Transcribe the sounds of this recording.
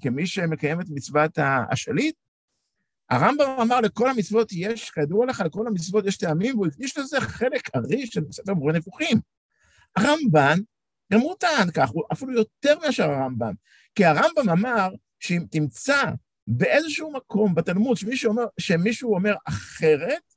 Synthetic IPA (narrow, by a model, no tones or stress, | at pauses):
kemiʃeme̞kaje̞met̪mit͡svat̪aa̰ʃalit̪̚ | a̰ʁambamamaʁle̞ko̞lamit͡svot̪je̞ʃkad̪ualeχaleko̞lamit͡svo̞t̪jeʃt̪eamimveuikd̪iʃleze̞χe̞lekaʁiʃʃelmesefeʁmoʁenefuχim | aʁamban | ɡamʁutaankaχuʔafilujo̞teʁmeaʃeʁaʁamba̰m | kiaʁambamamaʁ | ʃeimtimt͡sa | be̞ʔe̞zeʃuumako̞mbatalmud̪ʃemiʃuomeʃemiʃuuo̞me̞ʁaχe̞ʁe̞t̚